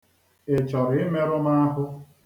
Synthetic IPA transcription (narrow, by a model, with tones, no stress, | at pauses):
ɪ˨t͡ʃɔ˨ɾɪ˨ɪ˦me˦ɾʊ˦ma˦a˦ɦʊ˦